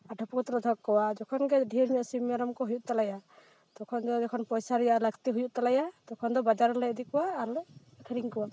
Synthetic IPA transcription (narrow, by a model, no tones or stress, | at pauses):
aʈʰɔpɔkɔt̪ɔɾad̪ʰʱɔk̚kːɔwad͡ʒɔkʰɔnɡɛɖʱiɾɲɔʔsimaɾɔmkɔɦujuʔ̪̚t̪alaja | t̪ɔkʰɔnd̪ɔd͡ʒɔkʰɔnpɔjsaɾɛjaʔləkt̪ɛɦujuʔ̚t̪alajat̪ɔkʰɔnd̪ɔbad͡ʒaɾɔlɛəd̪ikɔwaːɾlɛ | akʰəɾiŋkɔwa